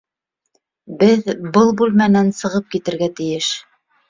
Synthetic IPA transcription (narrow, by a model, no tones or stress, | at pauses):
bɘðbɤlˠbʉlmænænsɤ̆ʁɤp̚kit̪ɘ̆ɾɡæt̪ɘ̆jɘʃ